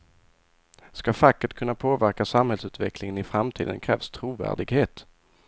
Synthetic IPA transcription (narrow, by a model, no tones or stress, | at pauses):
skafakːət̪kʰɵnːapʰoːvæɾkasamhɛlsʉ̟ːt̪vɛklɪŋənɪfɾamt̪ʰiːd̪ə̰nkʰɾɛ̰ːvst̪ʰɾuːvæ̰ɖɪɡheːt̪